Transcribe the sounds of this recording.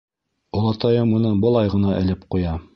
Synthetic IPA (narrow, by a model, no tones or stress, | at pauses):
ŏlˠɑt̪ɑjɤmunɤbɤ̆lˠɑjʁɤ̆nɑʔɘ̆lɘp̚qujɑ